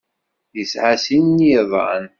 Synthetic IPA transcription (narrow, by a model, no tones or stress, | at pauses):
jəsʕasinːðˤɑ̰n